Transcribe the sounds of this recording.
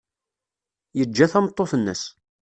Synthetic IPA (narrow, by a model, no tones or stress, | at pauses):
jəd͡ʒːæθæmət̪ˤːoθənːə̰s